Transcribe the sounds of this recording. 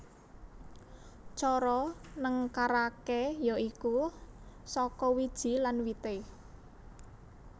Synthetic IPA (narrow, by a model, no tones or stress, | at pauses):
t͡ʃɔɾɔnəŋkaɾakejoʔiku | sɔkɔwid̥ʒ̥i̤lanwit̪e